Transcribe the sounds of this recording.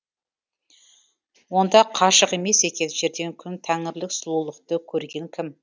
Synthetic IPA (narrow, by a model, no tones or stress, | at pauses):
wo̞nd̪ɑqʰɑʃəqe̞me̞se̞kʲe̞nʒe̞ɾd̪e̞ŋkʲʰʏnt̪ʰæŋɪɾlɪksʊlˠulˠəqt̪əkʲʰɵɾɡʲe̞ŋkʲʰɪm